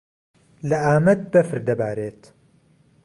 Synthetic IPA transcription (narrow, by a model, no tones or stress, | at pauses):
lɐʔaːmɐd̪̚bɐfɨɾd̪ɐbaːɾeːt̪